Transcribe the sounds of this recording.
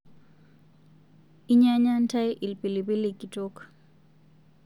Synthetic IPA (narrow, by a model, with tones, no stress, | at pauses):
i˦ɲa˦ɲa˦n˦ta˦jʔi˨lpi˨li˨pi˦li˦ki˨to˦k